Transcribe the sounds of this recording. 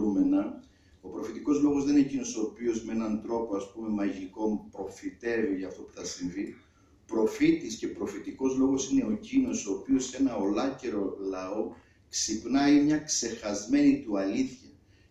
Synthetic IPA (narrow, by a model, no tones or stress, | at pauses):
umenɐ | o̞pɾo̞fit̪iko̞zlo̞ɣo̞zðeninecino̞so̞ːpio̞zmeenɐnd̪ɾo̞po̞ɐspume̞mɐʝiko̞mpɾo̞fit̪e̞viʝɐːft̪o̞pu̥θɐsiɱvi | pɾo̞fit̪iscepɾo̞fit̪iko̞zlo̞ɣo̞sine̞o̞cino̞so̞ːpio̞se̞nɐolɐce̞ɾo̞lɐo̞ | ksipnɐimɲɐkse̞xɐzme̞nit̪uɐliθçɐ